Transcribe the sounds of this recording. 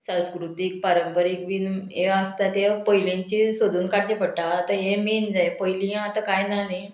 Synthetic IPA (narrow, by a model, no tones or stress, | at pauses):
sãw̃skɾut̪ik̚pəɾəmpəɾekʋineəst̪at̪epəɦilẽɲt͡ɕisod̪ʱuːnkaɽt͡ɕepəɽʈaːt̪aɦemend͡zajpəjlĩãat̪ãkajnanaj